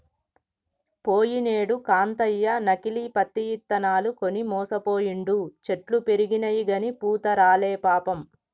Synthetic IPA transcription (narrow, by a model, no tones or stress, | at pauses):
poːjineːɽukaːnt̪ɐjːɐnɐkilipɐt̪ːijit̪ːɐnaːlukonimɔːsɐpoːjiɳɖut͡ʃeʈlupe̞ɾiɡinɐjiɡɐnipuːt̪ɐɾaːleːpaːpɐm